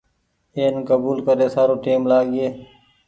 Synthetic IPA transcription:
eːnkəbuːlkəɾeːsaːɾõːʈiːmlaːɡeː

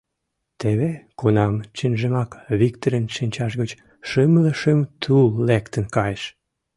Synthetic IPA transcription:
t̪eβekonɑmt͡ɕenʒəmɑkβik̚t̪oɾənʃinʲt͡ɕɑʃɣət͡ɕ | ʃømləʃəmt̪ʰulːekt̪ənkɑjeʃ

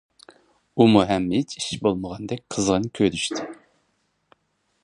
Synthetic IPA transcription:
umuɦɛmːit͡ʃʰi̥ʃbolˠməʁɑnd̪ɛk̚ʲqʰəzʁənkʲʰøɾyʃt̪ʰɪ

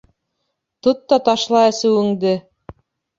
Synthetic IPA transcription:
t̪ot̪ːɑt̪ɑʃlˠɑæsɘwɘ̆ŋd̪ɘ

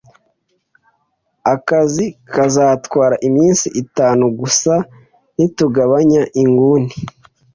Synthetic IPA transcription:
akazikazaːtkwaːɾaʔimiːnsiʔitaːnuɡusa | nituɡaβaɲaʔiŋɡuːni

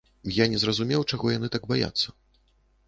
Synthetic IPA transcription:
janʲɛzɾɐzumʲɛwt͡ʂaɣɔjanɨt̪aɡbaja̰t̪sːɐ

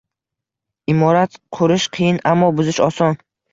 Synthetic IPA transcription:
imɔɾat̪qʰʊɾɪʃqʰijɪnamːɒbʊzɪʃɒsɒn

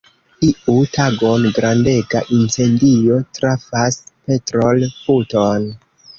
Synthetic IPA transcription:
iutaɡo̞nɡɾande̞ɡaʔint͡se̞ndio̞tɾafaspe̞tɾolfuton

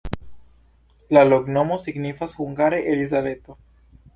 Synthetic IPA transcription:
lalokno̞mo̞siɡnifashuŋɡaɾeʔelizave̞t̪o̞

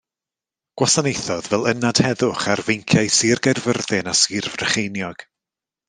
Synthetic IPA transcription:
ɡ̥wasanejθɔðvɛlˠənad̥hɛðʊχarvejŋkʰjajsiːrɡɛrvərðɪnasɪrvrəχejnjɔɡ̥

